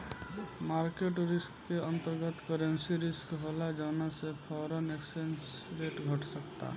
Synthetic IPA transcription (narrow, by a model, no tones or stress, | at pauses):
maɾkeʈuɾɪskːeə̃nt̪əɾɡət̪kəɾə̃nsiɾɪskɦolad͡ʒaːnasepʰɔːɾəneksensɾeʈɡʱəʈsəkt̪a̰